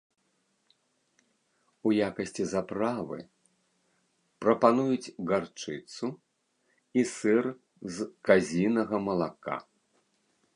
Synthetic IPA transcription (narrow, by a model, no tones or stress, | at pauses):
ujakɐsʲt͡sʲizapɾavɨ̰ | pɾɐpanujut͡sʲɣart͡ʂɨt̪su | isɨr | zkazʲinɐɣɐmɐlˠaka̰